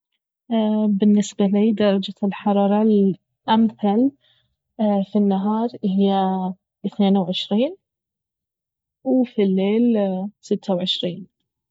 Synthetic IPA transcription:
bɪnːɪsbaliːd̪ɑɾˤɑd͡ʒalħɑɾˤɑːɾˤɑl | ʔamθal | finːaɦɑːɾˤʔɪhɪjːa | ʔɪθneːnawʕɪʃɾiːn | wfilːeːlsɪt̪ːawʕɪʃɾiːn

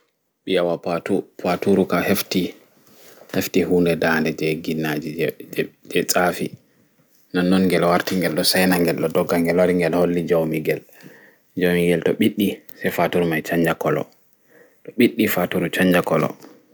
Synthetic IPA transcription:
ɓijawapatupatuɾukahefti | heftihuːndɛdandɛd͡ʒɛɡinːad͡ʒi | d͡ʒɛt͡sʼafi | nanːɔnŋɡɛlwaɾtiŋɡɛlɗɔsajnaŋɡɛlɗɔdɔɡːaŋɡɛlwaɾiŋɡɛlholːid͡ʒawmiɡɛl | d͡ʒawmiɡɛltɔɓiɗːisɛjfatuɾmajt͡ʃaɲd͡ʒakɔlɔ̰ | tɔɓiɗːifatuɾut͡ʃaɲd͡ʒakɔlɔ̰

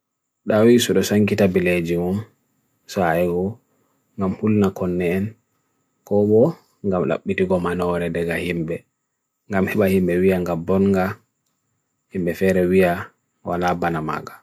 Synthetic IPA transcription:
ɗawisuɗɔsaŋkitabiled͡ʒimum | saɛɡɔ | ŋɡamhulnakɔnːɛːn | kɔɓɔ | ŋɡamla̰ɓːitiɡɔmanɔɾɛdɛɡahimbɛ | ŋɡamhiɓahimbɛwiaŋɡambɔnŋɡa | himbɛfɛɾɛwija | walabanama̰ɡḁ

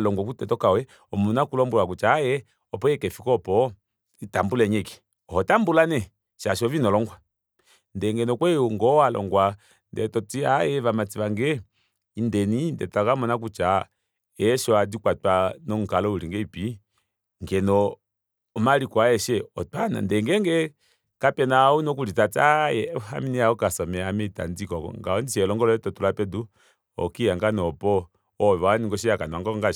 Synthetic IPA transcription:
lɔŋɡwɔk̬utɛtɔkawɛ | ɔmunakulɔmbuwakut͡ʃajɛ | ɔpɔɛkɛfikɔpɔ | itambulɛɲɛkɛ̥ | ɔhɔtambulanɛ | ʃaʃɔvinɔlɔŋɡwa | ndɛŋɡɛnɔkwɛɔŋɡɔalɔ̰ŋɡwa | ndɛtɔtiajɛvamat͡siʋaŋɡɛ | indɛnindɛ̰takamɔnak̬ut͡ʃa | ɛʃɔadikwatwanɔŋ̩ukalɔuliŋɡɛipi | ŋɡɛnɔː | malikwaɛʃɛɔtana̰ndɛŋɡɛŋɡɛ | kapɛnaunɔkulitataɛha̰minijaɔkasɔmɛamɛta̰ndikɔkɔ̰ŋɡaɔndiʃɛlɔŋɡɔlɔɛtɔtulapɛdu | ɔ̰kijaŋɡanɔpɔ | ɔβaniŋɡɔʃ̬iakanɔaŋɡɔŋɡa

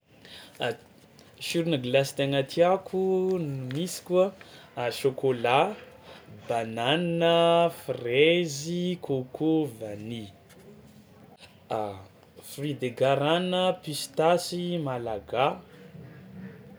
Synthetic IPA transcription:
ʃuɾunəɡlast̪aŋat̪ʰiakʰunumisi̥kʲuaʃokola | banananəfrezikokʰovani | frid̪eɡaɾanəpist̪asimalaɡa

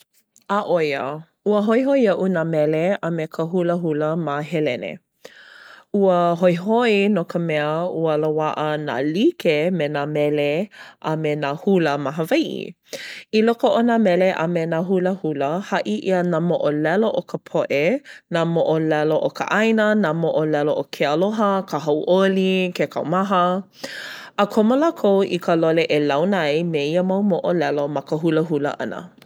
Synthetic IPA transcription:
aʔojə | uəɦojɦojɐʔunamɛleəmekʰəɦuləɦuləmaɦelɛnḛ | uəɦojɦoinokəmɛəuəlowaʔəna̰likemenamɛleʔamenahuləmaɦəvajʔḭ | ilokoʔonamɛleʔə̰menaɦuləhuləhɐʔiʔiənaːmoʔolɛloʔokʰəpʰoʔenamoʔolɛloʔokə̰ʔajnənamoʔolɛloʔokʰeəloɦəkəɦawʔolikekʰɐ̰wmaɦə | əkʰomolakʰowʔḭkʰəloleʔelawnɐjmeiəmawmoʔolɛlomɐkəɦuləɦulə̰ʔɐ̰nə̰

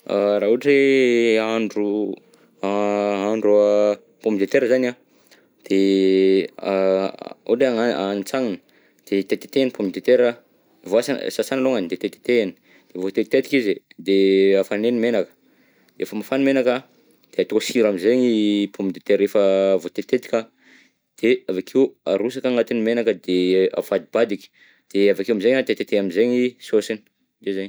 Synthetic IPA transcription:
aɾaɦuʈ͡ʂeaɳɖ͡ʐu | aaɳɖ͡ʐu | pomid̪et̪eɾəzana | d̪̥e | uʈ͡ʂeaanit͡saŋinə | d̪̥et̪et̪e̥t̪enipomid̪et̪eɾə | voasasasanaloŋanid̪et̪et̪e̥t̪eni̥ | d̪̥evot̪et̪t̪et̪i̥kizd̪eafanenimenakə̥ | ḛfəmafanimenaka | d̪̥eat̪osiɾamizeɲipʰumid̪et̪eɾefəvot̪et̪et̪i̥kʲa | d̪̥eavakʰiwa̰ɾus̬akaŋat̪inimenakəd̪ea̰fad̪ibad̪ikʲi̥ | d̪̥eavakiuamizeɲat̪et̪et̪eamizeɲisosini̥ | d̪ezeɲ

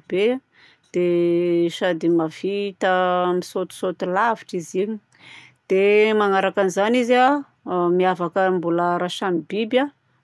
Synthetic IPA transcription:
b̥e | d̪̥eʃad̪imav̥it̪əmisot̪u̥sot̪ulaviʈ͡ʂiziɲi̥ | d̪̥emaŋaɾakanizaniza | miavakəmbuləɾaʃamibiba

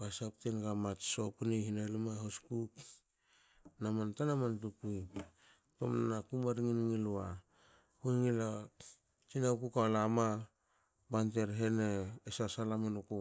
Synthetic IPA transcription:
basap̚tenɡamat͡ʃso̞puneɦinalimaɦoskuk | namantanamantukuj | to̰mnanakumaɾiŋiniŋiloa | hunŋila | t͡ʃinawkukaolama | banteɾɦe̞neːsasalamenoko

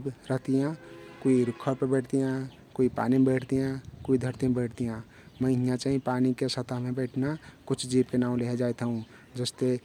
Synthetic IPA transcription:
ibɾəɦt̪ijãkuiɾikʰːəɾpəbeʈʰt̪ijã | kuipa̰nimebeʈʰt̪ijãkuid̪ʱəɾt̪imẽbeʈʰt̪ijã | mə̃ɦijãt͡ʃaɦĩpanikesət̪amẽbeʈʰnakut͡ʃʰd͡ʒibkenaũleɦed͡ʒaet̪ʰəũ | d͡ʒəst̪e

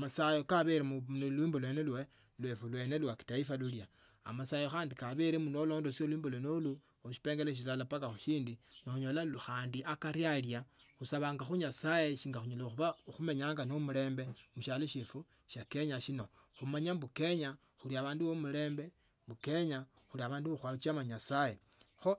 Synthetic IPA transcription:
masajokaβeɾemulwiːmbolwe̞nelwe | lwefulwe̞ːne̞lwaki̥taifalulja | a̰masajoxaːndikaβeɾemunoloːndosiolwiːmbolonolu | oʃi̥peːŋɡeleʃ̬ilalapakaxuʃiːndinouɲolalxaːndiʔakaɾjaljaxusaβaːŋɡaxuɲasaje̞ʃiːŋɡaxuɲolaxuβaxume̞ɲaːŋɡanomule̞ːmbe̞muʃaloʃefu | ʃake̞ɲaʃino̞ | xumaɲabuke̞ɲa | xuliaβaːnduwomule̞ːmbe̞ | mbuke̞ɲa | xuliaβaːnduβoxwat͡ʃamaɲasaje̞xo

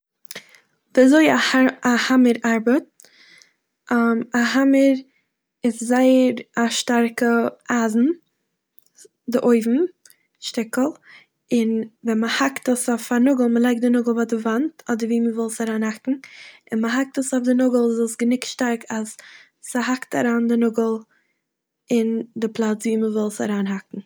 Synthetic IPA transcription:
diazoɪahahaməɾaɾbət̚ | amaɦaməɾ | ɪszaɪəɾaʃtaɾkəʔaːzn̩ | dɪʔoɪvm̩ | ʃtɪkl̩ˠ | ɪnvɛnməhaktəsɔfanʊɡl̩ˠməlˠaɪk̚dɪnʊɡl̩ˠvadɪvantɔdəɾviːməvɪlˠsaɾaːnhakŋ̩ɪnməɦak̚təsɔfdɪnʊɡl̩ˠzɔlˠsɡənɪktʃtaɾkʰasː | əhakta̰ɾaːndɪnʊɡəl̩ˠ | ɪndɪplˠat͡sviːməvɪlˠsa̰ɾaːnɦakŋ̩

